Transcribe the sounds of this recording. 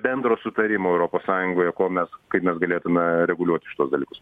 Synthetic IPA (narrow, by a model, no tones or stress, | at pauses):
bʲɛnd̪ɾoːsʊt̪ɐɾʲɪmoːɛʊɾoːpoːssɑːjʊŋɡoːjɛkoːmʲɛskɐɪpmʲɛsɡɐlʲeːjt̪ʊmʲɛɾʲɛɡʊlʲuɔt̪ʲɪʃʲɪt̪uɔsd̪ɐlʲiːkʊ̥s